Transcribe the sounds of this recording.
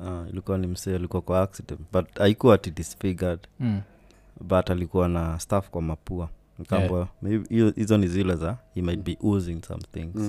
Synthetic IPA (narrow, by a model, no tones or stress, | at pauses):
aḭlikuwanim̩sɛalikuwakwaaksidɛ̃ntbataikuatidisfiɡəd | batalikuwanastafkwamapua | nkambameizɔnizilɛzahimajt̚biʔuzĩŋsã̰mθḭ̃ŋz̥